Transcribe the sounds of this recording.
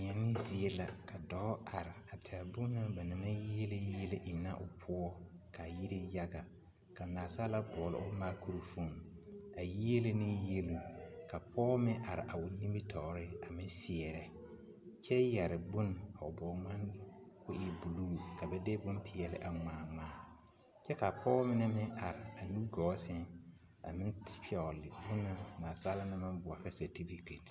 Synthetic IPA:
ɲɛ˨nɪ˦zi˨e˦la˨ka˨dɔː˦a˨ɾɪ˨a˨tʰɪ˨a˨bʊ˦na˦ba˨nɪ˨ma˦ji˦e˦le˦je˦le˦ʔɪ˨nːa̰˦ʔʊ̰˨pʰʊ˦ɔ˦ka˨ji˦ɾe˦ja˦ɡa˨ | ka˨naː˨sa˦la˦bɔ˨lɔ̰˦ʔʊ˦maː˦ku˦ɾu˨fu˦˨ŋa˨ji˦e˦le˦nɪ˦je˦lu˦˨ka˨pʰɔː˦mɪ˦ʔa˨ɾɪ̰˨ʔa˨ʊ˨nĩ˦bi˦tʰɔ˨ʔɾɪ˦a˨mɪ˦sɪ˨ɛ˨ɾɛ˨ | t͡ʃɛ˦ja˨ɾɪ˨bʊ˦n˨a˨ʊ˨bɔ˨˦ŋa˦n˦kʊ˦ʔɪ˨bu˨lu˦˨ka˨bɛ˦de˦bʊ˦npʰɪ˨ɛ˨lɪ̰˦ʔa˨ŋaː˨ŋaː˦˨ | t͡ʃɛ˦ka˨pʰɔː˦mɪ˦nɛ˦mɪ˦ʔa˨ɾɪ˨a˨nu˦ɡɔː˨˦sɪ˦n | a̰˨mɪ˦tpʰɪ˦ɔ˨lɪ˨bʊ˦na˦naː˨sa˦la˦na˦mã˦mbʊ˨a˨ka˦sa˨ti˦fi˨ke˨t

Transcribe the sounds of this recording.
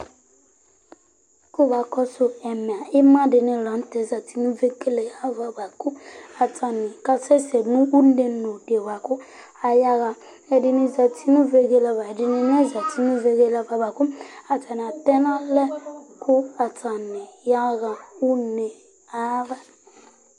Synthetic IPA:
ku˦ba˨kɔ˦so˨ɛ˨mɛ̃˨a˨i˦mã˦de˨nɛ̃˨lã˨˦tɛ˨za˨ti˦nũ˦ve˦ke˦le˨a˦va˨ba˨ku˦a˨ta˨nĩ˨ka˦sɛ˦sɛ˨nũ˦u˦ne˨nõ˨de˨wa˨ku˦ | a˨ja˦ɣa˨ | ɛ˨di˨nĩ˨za˨ti˦nũ˦ve˦ɡe˦la˧βa˨di˨nĩ˨nɛ̃˦za˨ti˦nũ˦ve˦ɡe˦la˧ba˨ba˨ku˦a˨ta˨n˨a˨tɛ˦nã˦lɛ˦kʰu˦a˨ta˨nɛ̃˨ja˦ɣã˨u˦ne˨ | a˦va˨

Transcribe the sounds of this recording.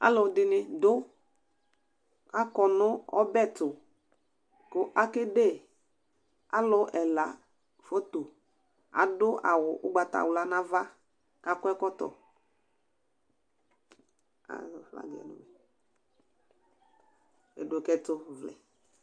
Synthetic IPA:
a̰˦lʊ˨dɪ˨nɪ˨dʊ˦ | ka˦kɔ˨nʊ˦ɔ̰˦bɛ˦˨tʊ˨ | kʊ˨ʔa˦kɪ˦de˦˨ | a̰˦lʊ˨˦ʔɛ˨la˨ | fo˦to˨ | a̰˨dʊ˦ʔa̰˨wʊ˨ʔʊ˦ɡ͡ba˨ta̰˨wla˨na˦va˦ | ka˦kʊ˦ɛ˦kɔ˦tɔ̰˨ | a̰˨fla̰˨˦ɡɛ̰˨nʊ̰˨bɛ˨ | ḛ˨dʊ˨kɛ˦tʊ˦vlɛ̰˨

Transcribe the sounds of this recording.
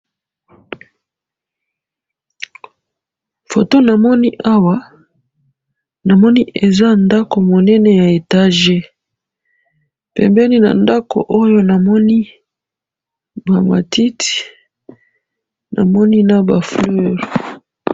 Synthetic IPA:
fo˨to˦na˨mɔ˦ni˦ʔa˦wa˦ | na˨mɔ˦ni˦ʔe˨za˦nda˦ko˨mo˨nɛ˦nɛ˨ja˨e˨ta˦ʒe˦ | pɛ̰˨mbɛ˦ni˦na̰˨nda˦ko̰˨ʔo˦jo˦na˨mɔ˦ni˦ | ba˨ma̰˨ti˦ti̥˨ | na̰˨mɔ˦ni˦na˦ba˨flø˦˨ʁ

